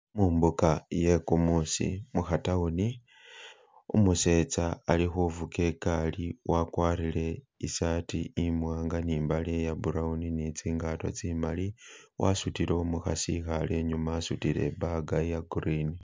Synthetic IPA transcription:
muːmbukajekumusḭmuxatauni | umuse̞ːt͡saːlixuvuke̞kaliwakwaːrile̞ | isaːtiːmwaːŋɡaniːmbalejabuɾauninit͡siːŋɡatwo̰t͡simali | wʔa̰sutiloomuxasixale̞ɲumaːsutile̞̰baɡajaɡuɾini

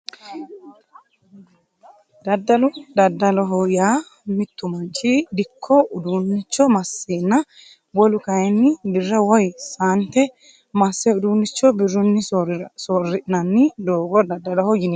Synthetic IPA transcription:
d̪ɐd̪ːɐlʊd̪ɐd̪ːɐlɔɦɔjaː | mɪt̪ːʊmɐnt͡ʃʼːid̪ɪkʰːɔʊd̪unːɪt͡ʃːɔmɐsːeːnːɐ | bɔlʊkɐjɛnːɪbɪrːɐwɔjsaːnt̪ːɛ | mɐsːɛʊd̪uːnːɪt͡ʃːɔbɪrːʊnːɪsɔrːɪʔɪnɐnːɪd̪oːɡɔd̪ɐd̪ːɐlɔhɔjɪn

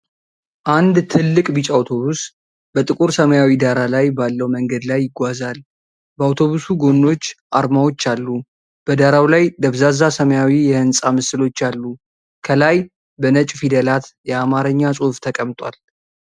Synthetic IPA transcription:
ʔand̪t̪ʰɨlːɨkʼbɨt͡ʃʼawt̪ʰo̞βus | b̥ət̪ʼɨkʼuɾsəməjawid̪aɾalajbalːəwməŋɡəd̪lajːɪɡʷazal | bəawt̪ʰo̞βusuɡo̞nːo̞t͡ʃːʔaɾmawo̞t͡ʃːalːu | b̥əd̪aɾawlajd̪əβzazasəməjawijɛhɨnsʼamɨsɨlo̞t͡ʃːalːu | kʰəlaj | bənət͡ʃʼfid̪əlat̪jɛamaɾəɲːasʼuhft̪ʰəkʼəmt̪ʼwal

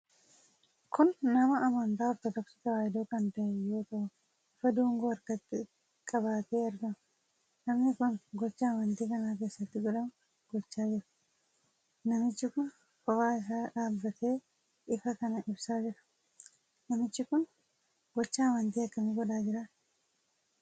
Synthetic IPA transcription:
kʰʊnːɐmɐʔːmɐnt̪aːɔft̪ɐt̪ɔksɪ̥t̪ɐwaːjɪd̪oːkɐnt̪ɐʔejo̞ːt̪ɐʔʊ | ɪfɐd̪uːŋɡoːɐɾkɐt̪ːɪ | kʼɐbaːt̪eːɐɾɡɐmɐ | nɐmnɪkʊnɡɔt͡ʃːɐːmɐnt̪iːkɐnaːk̬e̞ːsːɐt̪ːɪɡɔᶑɐmɐ | ɡ̥ɔt͡ʃːaːd͡ʒɪɾɐ̥ | nɐmɪt͡ʃːɪkʊn | kɔfaːɪs̬aːᶑaːbːɐt̪ʰe̞ː | ʔɪfɐkɐnɐʔɪbsaːd͡ʒɪɾɐ̥ | nɐmɪt͡ʃːɪkʊn | ɡɔt͡ʃːɐːmɐnt̪iːɐkːɐmɪɡɔᶑaːd͡ʒɪɾaː

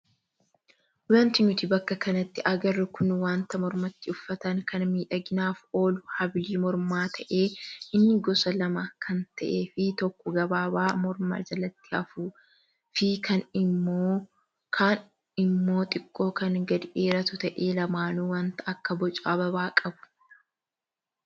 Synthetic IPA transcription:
ʊlɐnt̪ɪnʊt̪ɪbɐkːɐkɐnɐt̪ːɪʔɐɡɐrːɪkʊnwaːnt̪ɐmɔɾmɐt̪ːɪʊfːɐt̪ɐŋkʰɐnmiːᶑɐɡɪnaːfo̞ːlʊhɐbliːmɔɾmaːt̪ʰɐʔe̞ːʔɪnːɪɡɔsɐlɐmɐkʰɐnt̪ɐʔe̞ːfɪt̪ɔkːɔɡɐbaːbaːmɔɾma̰ːd͡ʒɐlɐt̪ːɪ̥ɐfuː | fɪkʰɐnɪoː | kʰaːn | ɪmːo̞ːt̪ʼɪkʼːo̞ːkɐŋɡɐd̪ɪʔeːɾɐt̪ʊt̪ɐʔeːlɐmaːnuwɐnt̪ɐɐkːɐbɔt͡ʃʼaːbɐbaːkʼɐbʊ̥

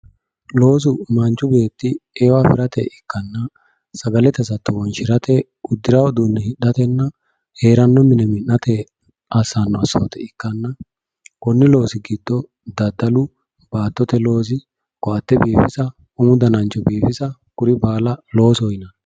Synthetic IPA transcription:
lo̞ːs̬ʊmɐnt͡ʃːʊbe̞ːt̪ːɪewafɪɾɐt̪ɛ̰ɪkːɐnːɐ | sɐɡɐlɛt̪ɛsɐt̪ːɔwɔnʃɪɾɐt̪ɛ | ʊd̪ːɪɾɐwɔd̪uːnːɛhɪɗːɐt̪ɛnːɐ | he̞ːɾɐnːɔmɪnɛmɪnːɐt̪ɛ | ɐsːanːɔɐsːo̰ːt̪ɛɪkːɐnːɐ | kɔnːɪlo̞ːsɪɡɪd̪ːɔ | d̪ɐd̪ːɐlʊ | baːt̪ːɔt̪ɛlo̞ːs̬ɪ | kɔɐt̪ːɛbiːfɪsɐ | ʊmʊd̪ɐnɐnt͡ʃːɔbiːfɪsɐkʊɾɪbaːlɐlo̞ːsɔjɪnɐ

